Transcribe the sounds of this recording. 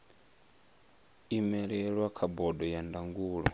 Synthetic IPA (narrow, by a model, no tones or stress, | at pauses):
imɛɺɛɺwakʰabɔdɔjandaŋɡuːɺɔ̰